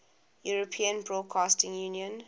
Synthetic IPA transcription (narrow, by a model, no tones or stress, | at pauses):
juɹəpʰĩə̃nbɹɔːd̚kʰaːstɪ̃ŋjuːniə̃n